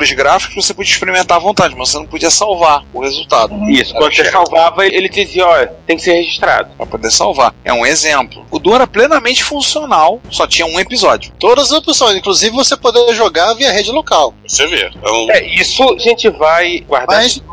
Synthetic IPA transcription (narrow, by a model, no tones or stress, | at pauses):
ɾʊʃɡɾafi̥kʊʃvosepod͡ʒiɐiʃpeɾimẽnt̪aɾɐvõnt̪ad͡ʒɪmɐzvosenɐ̃p̬od͡ʒiɐsawvaɾʊhezuwt̪ad̪ʊisʊkɐ̃d̪sesawvavɐelɪd͡ʒiziɐɔʎɐt̪ẽj̃kɪ̥seɾheʒiʃt̪ɾa̰d̪ʊpɾɐpod̪eɾsawvaɾɛ̰ũezẽplʊ̰ʊd̪õɛɾɐplẽnɐmẽnt͡ʃɪ̥fũsionawsɔt͡ʃĩɲɐũepizɔd͡ʒʊt̪od̪ɐzɐzopisõj̃zĩkluzivɪvosepod̪eɐʒoɡaviɐɦed͡ʒɪlokawvosevḛɛ̃ɛisʊaʒẽt͡ʃɪvajɡwaɾd̪mas